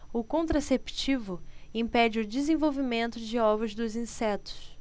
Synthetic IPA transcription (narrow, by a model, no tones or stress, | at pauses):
ʊkõnt̪ɾasept͡ʃivʊĩpɛd͡ʒɪʊd͡ʒɪzẽvowvimẽnt̪ʊd͡ʒɪɔvʊzd̪ʊzĩsɛt̪ʊ̥s